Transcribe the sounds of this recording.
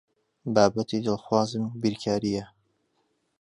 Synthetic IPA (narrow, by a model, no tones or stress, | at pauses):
baːbɐt̪ʰid̪ɨlˠxwaːzɨmbiɾkʰaːɾijɛ